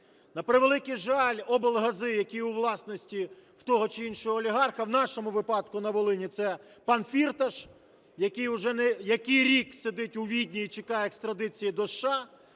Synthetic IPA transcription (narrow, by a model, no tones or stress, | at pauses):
nɐpɾɪʋelˠɪkɪjʒɑlʲɔbɔlˠɦɐzɪjɐkʲijuʋlˠɑsnɔsʲtʲiw̥t̪ɔɦɔt͡ʃɪinʃɔɦɔːlʲiɦɑrxɐwnɑʃɔmʊʋɪpɑd̪̚kʊnɐʋɔlˠɪnʲit̪sɛ | pɑnfʲirt̪ɐʃ | jɐkɪjʊʒɛnɛjɐkɪjɾʲiksed̪ɪtʲʊʋʲidʲnʲiːt͡ʃɪkɑjɛekst̪ɾɐd̪ɪt͡sʲijid̪ɔʃːɑ